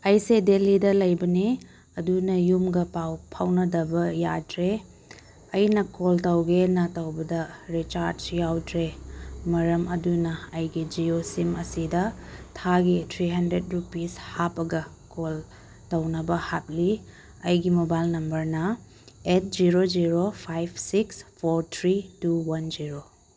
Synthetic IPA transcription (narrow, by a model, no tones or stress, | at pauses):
ɐjsedelidɐlɐjbɐni | ɐdunɐjumɡɐpawpʰawnɐdɐbɐjatɾe | ɐjnɐkoltɐwɡenɐtɐwbɐdɐɾit͡ʃaɾsjawtɾemɐɾɐmɐdunɐɐjɡid͡ʒiosimɐsidɐtʰaɡitʰɾiɦɐndɾet̚ɾupishapːɐɡɐ | kol | tɐwnɐbɐhat̚li | ɐjɡimobajlnɐmbɐɾnɐ | et̚d͡ʒiɾod͡ʒiɾopʰajbʰsikspʰoɾtʰɾituwɐnd͡ʒiɾo